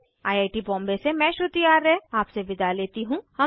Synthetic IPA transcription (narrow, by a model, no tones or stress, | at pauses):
aːjaːɪʈibɔ̃ːmbesemɛ̃ːʃʊt̪ijaːɾɛaːpseʋɪd̪aleːt̪iɦũhɐ